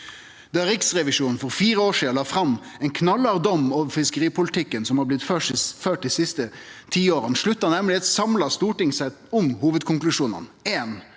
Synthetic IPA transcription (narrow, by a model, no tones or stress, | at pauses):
d̪̥ɑæɾɪksʁɛʋɪʂuːnn̩fɔɾfiːɾəoːʂiːlɑːfɾɑmːɛɪnkʰnɑlːɑʁd̪ɔmɑːʋfɪskəɾiːpʊlt̪ʰɪkːənsɔmhɑblɪt̪føːʂføːʈ̚d̪iːsɪst̪ət̪ʰiːoːɾənʂɭʉt̪ːɑnæmlɪɛt̪sɑmlɑst̪uːʈɪŋsɛt̪ʊmhuːʋəd̪kʰʊŋklʉʂuːnə̰neːn